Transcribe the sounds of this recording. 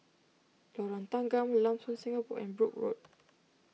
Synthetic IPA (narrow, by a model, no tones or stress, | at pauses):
lɔɹãnt̪ãŋɡãmlãmsɔ̃nsĩŋəpɔ̰ʔɛ̰̃nbɹuk̚ɹo̰t̚